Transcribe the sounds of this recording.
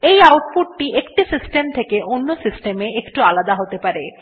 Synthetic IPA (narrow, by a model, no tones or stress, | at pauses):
ejawʈ̪̚puʈːiʔekʈisisʈemt̪ʰekeʔonːosisʈemeekʈualad̪aɦot̪epaɾe